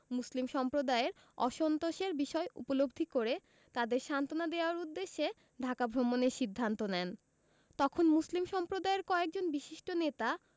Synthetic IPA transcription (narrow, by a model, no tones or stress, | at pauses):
muslimʃɔmpɾod̪aeɾ | ɔʃɔnt̪oʃeɾbiʃɔeʔṵpolobd̪ʱikoɾe | t̪ad̪eɾʃant̪onad̪eoaɾud̪ːeʃːe | ɖʱakabʱɾomoneɾʃid̪ʱːant̪onɛn | t̪ɔkʰonmuslimʃɔmpɾod̪aeɾkɔek̚d͡ʑonbiʃiʃʈonet̪a